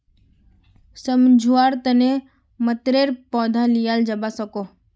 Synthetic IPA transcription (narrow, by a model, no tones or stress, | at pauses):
səmd͡ʒʱuaːɾt̪əne | mət̪ɾeːɾpɔːd̪ʱalijaːld͡ʒɐbasəkoː